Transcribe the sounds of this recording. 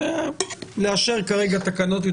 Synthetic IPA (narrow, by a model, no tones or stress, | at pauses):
eleaʃeʁkaʁe̞ɡat̪akano̞t̪̬jo